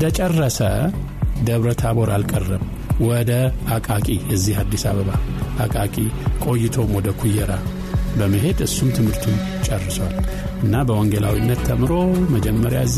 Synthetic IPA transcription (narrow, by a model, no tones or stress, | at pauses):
d̪ət͡ʃʼɛrːəsə | d̪əβɾət̪ʰaβo̞ɾalkʼərːəm | wɔd̪əhakʼakʼijɛzːihad̪ːisaβəβahakʼakʼikʼo̞jːɪt̪ʰo̞mwɔd̪əkʰujːɛɾa | bəmːɨɦe̞d̪ɨsːumt̪ʰɨmhɨɾt̪ʰun | t͡ʃʼɛrːɨswal | ʔɨnːabəwɔŋɡəla̰winːət̪ʰːəmɾo̞məd͡ʒɛmːəɾjaɨz